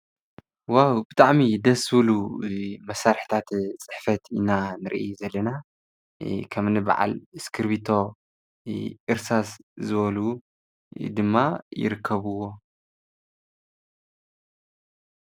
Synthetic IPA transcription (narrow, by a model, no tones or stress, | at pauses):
wawbɨt̪ʼaʕmid̪ɐsβlumɐsaɾħt̪ʰat̪t͡sʼɨħfɐt̪inanɨɾʔizɐlːɐna | kʰɐmnɨba̰ʕa̰lɨskʰɨɾbit̪ʰo̞ | ʔɨɾsaszɨβɐlu | d̪ɨmːajɪ̰ɾɨkʰːɐβɨwo̞